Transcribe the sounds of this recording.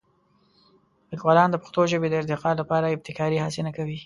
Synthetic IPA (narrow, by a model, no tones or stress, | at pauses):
lɪkwɑlɑnd̪əpʊ̥xt̪oʒəbed̪əɪɾd̪ɪqɑlapɑɾaɪb̚t̪ɪkɑɾihɑsɪnakawi